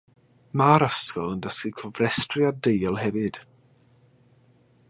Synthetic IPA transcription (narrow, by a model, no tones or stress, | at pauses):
maɾaskəlˠəndəskikʰɔvrɛstrɪadejlˠhɛvɨd̥